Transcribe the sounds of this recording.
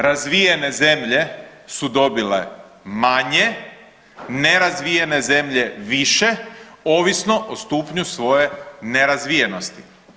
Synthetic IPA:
ɾazʋijene̞ze̞mʎe̞sud̪o̞bilḛ | maɲe̞ | neɾazʋijene̞ze̞mʎe̞ʋiʃe̞o̞ːʋisno̞ʔost̪uːpɲusʋo̞je̞neɾazʋijenost̪i̥

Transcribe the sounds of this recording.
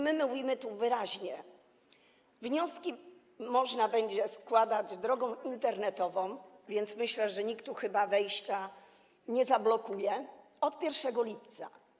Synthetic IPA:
mɘmɘwujimɘt̪uvɘɾaʑɲɛ | vɲɔskʲi | mɔʐnabɛɲd͡ʑɛskwad̪ad͡ʑd̪ɾɔɡɔ̃w̃int̪ɛɾnɛt̪ɔvɔ̃w̃vʲjɛnt̪smɘɕlɛʐɛɲikt̪uxɘbavɛjɕt͡ɕa | ɲɛzablɔkujɛ | ɔt̪pʲjɛɾfʂɛɡɔlʲipt̪sa̰

